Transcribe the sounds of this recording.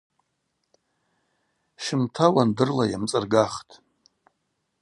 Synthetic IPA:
ʃɪmtʰawandɨrlajamt͡sʼɨrɡaχtʼ

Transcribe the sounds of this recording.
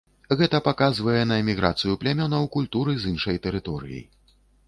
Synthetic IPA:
ɣɛt̪ɐpakazvɐjɛnɐɛmʲiɣɾa̰t̪sɨjuplʲamʲɔnɐwkulʲt̪uɾɨzɨnʂɐjt̪ɛɾɨt̪ɔɾɨ̰jḭ

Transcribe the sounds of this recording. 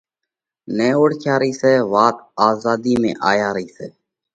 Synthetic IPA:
neːoːɽkʰjaːɾəiːseːʋaːt̪aːzaːd̪iːmḛ̃ːʔaːjaːɾəiːseː

